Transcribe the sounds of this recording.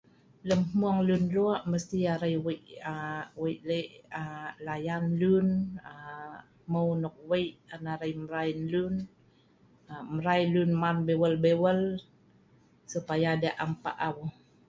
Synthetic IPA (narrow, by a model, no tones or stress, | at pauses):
ləmmuaŋlunluaʔməst̪iaɾajwəʔəwəʔləʔəlajanlunə | məwnɔk̚wəjʔanaɾəjməɾainlun | əməɾajlunmanbewəlbewəl | supajaːdaʔampa̰ʔawu